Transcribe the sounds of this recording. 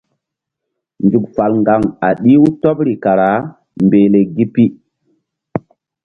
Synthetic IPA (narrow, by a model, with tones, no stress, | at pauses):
nd͡ʒu˨k̚fa˨lŋɡa˨ŋa˨ɗi˦u˦to˦pɾi˨ka˨ɾa˨˦ | mbe˨le˨ɡi˦pi˦